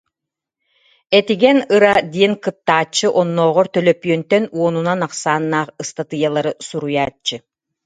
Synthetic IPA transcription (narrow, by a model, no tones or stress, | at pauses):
ɛt̪iɡɛnɯɾad̪iɛnkɯt̪ːaːt͡ɕːɯʔɔnːɔːʁɔɾt̪œlœpyœnt̪œnuɔnunanaqsaːnːaːχɯst̪at̪ɯjalˠaɾɯsuɾujaːt͡ʃːɯ